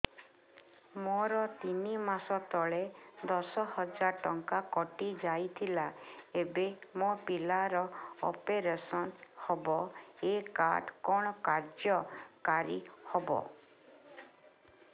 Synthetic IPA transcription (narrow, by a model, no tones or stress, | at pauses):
mɔɾɔt̪inimasɔt̪ɔɭed̪ɔsɔhɔd͡ʒaɾʈɔŋkakɔʈid͡ʒajt̪ʰilaebemopilaɾɔɔ̰peɾesɔnhɔbɔekaɾɖkɔɽ̃ɔkaɾd͡ʒjɔkaɾḭhɔbɔ̰